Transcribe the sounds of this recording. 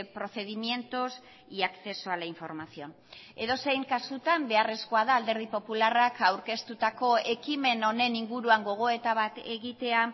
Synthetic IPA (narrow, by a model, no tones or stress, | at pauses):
pɾo̞θe̞ðimje̞nt̪os | iakθe̞soalaiɱfo̞ɾmasio̞n | e̞ðo̞se̞jŋkasut̪ambe̞are̞sko̞aðaːld̪e̞ɾð̞ipo̞pularakawɾke̞st̪ut̪ako̞e̞kime̞no̞ne̞niŋɡuɾuaŋɡo̞ɣ̞o̞e̞t̪aβat̪e̞ɣit̪e̞a